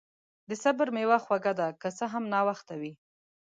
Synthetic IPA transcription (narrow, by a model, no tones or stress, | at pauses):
d̪əsabəɾmewaxwaɡad̪akəsəɦamnɑwaxt̪awi